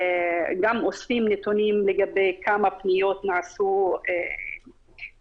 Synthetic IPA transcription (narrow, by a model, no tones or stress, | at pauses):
ɡamʔosfimnet̪onimleɡabejkʰamapnijo̞t̪naʕasue